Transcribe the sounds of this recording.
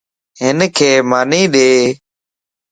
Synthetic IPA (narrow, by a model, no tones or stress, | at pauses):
ɦɪnkʰeːmaːnĩːɗeː